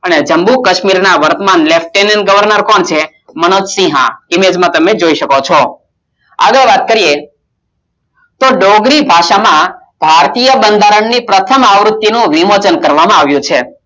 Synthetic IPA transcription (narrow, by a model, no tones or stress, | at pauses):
əned͡ʒəmbukəʃmiɾnaʋəɾt̪əmanlefʈːenənɡəʋəɾnəɾkɔnt͡ʃʰe | mənod͡ʒ̪sĩɦã̰ɪmed͡ʒmãt̪əmed͡ʒoiʃəkot͡ʃʰɔ | a̰ɡəɭʋat̪̚kəɾije | t̪oɖoɡɾibʱaʃamã | b̥ʱaɾt̪ijəbənd̪ʱaɾəɳːipɾət̪ʰəmaʋɾʊt̪ːinũʋimot͡ʃənkəɾʋamãaʋjũt͡ʃʰe